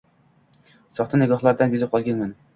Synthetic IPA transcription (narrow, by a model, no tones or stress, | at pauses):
sɒχt̪anɪɡɒχlˠaɾd̪anbezɪp̚qʰɒlˠɡʲanmanɪ